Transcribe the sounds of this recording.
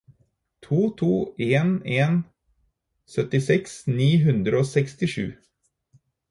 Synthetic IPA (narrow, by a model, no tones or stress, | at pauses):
t̪ʰuːt̪ʰuːʔeːneːn | sœt̪ɪsɛksniːɦʉnd̪ɾəoːsɛkst̪ɪʂʉ̰ː